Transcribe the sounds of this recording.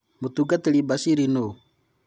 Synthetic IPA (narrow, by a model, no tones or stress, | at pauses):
mut̪uɡat̪elibasiɾino